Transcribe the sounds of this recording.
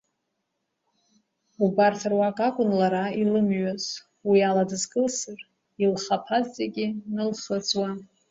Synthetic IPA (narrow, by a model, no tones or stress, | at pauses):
ubartʰarwakʼakʷʼʊnlaɾailɨmɥaz̥ | wialadɨzɡʼɨlsɨr | ilχapʰazd͡zʼeɡʲinɨlχət͡sʼwa